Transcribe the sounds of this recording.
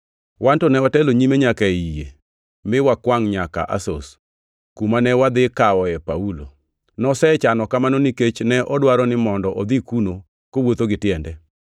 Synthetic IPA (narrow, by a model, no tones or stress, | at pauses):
wantɔnɛwatɛloɲimeɲakaijḛ | mɪwakwaŋɲaka̰ʔa̰so̰s | kumanɛwad̪ɪkawɔɛpaulo̰ | nɔsɛt͡ʃanɔkamanoniket͡ʃnɛʔɔdwaɾɔnɪmɔndɔʔɔd̪ikuno | kowot̪oɡɪtɪjɛndɛ